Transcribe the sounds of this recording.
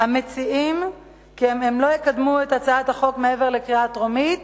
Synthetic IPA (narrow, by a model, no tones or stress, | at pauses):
hamet͡siim | kiememlo̞jekadmuetat͡saathaχo̞kmee̞ve̞ʁlekʁiatʁomit